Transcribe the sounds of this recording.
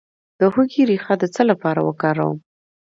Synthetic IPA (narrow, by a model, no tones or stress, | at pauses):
d̪̥əhuɡiɾixad̪ət͡səlapɑɾa̰wə̰kɑɾa̰wə̰m